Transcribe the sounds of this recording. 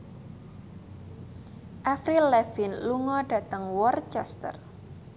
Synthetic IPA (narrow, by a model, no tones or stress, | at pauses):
ʔafɾilɛvinluŋɔɖ̥ä̤t̪əŋwɔrt͡ʃɛst̪ə̰r